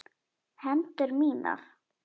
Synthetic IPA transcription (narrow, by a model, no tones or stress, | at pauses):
hɛnt̪ʏɾmiːna̰ɾ̥